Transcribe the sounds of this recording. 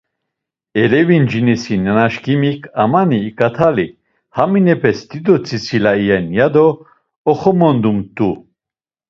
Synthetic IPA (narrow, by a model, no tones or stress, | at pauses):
ɛlɛvind͡ʒinisinɛnaʃkimikʰamaniːkʼat̪ʰali | haminɛpʰɛsd̪id̪ɔt͡sʰʼisilaijɛnjad̪ɔː | χɔmɔnd̪umt̪ʼu